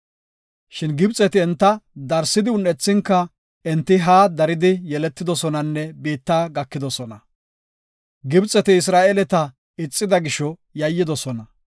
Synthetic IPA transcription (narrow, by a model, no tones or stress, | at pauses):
ʃɪnɡɪbt͡sʼɛt̪ɪɛnt̪ːɐd̪ɐɾsɪd̪ɪʊnːɛt͡sːɪŋkːɐ | ɛnt̪ːɪɦaːd̪ɐɾɪd̪ɪjɛlɛt̪ːɪd̪ɔsɔnɐnːɛbiːt̪ːaːɡɐkːɪd̪ɔsɔnɐ | ɡɪbt͡sʼːɛt̪ɪːs̬ɾaːʔɛlɛt̪ɐ | ɪt͡sʼːɪd̪ɐɡɪʃɔjɐjːɪd̪ɔsɔnɐ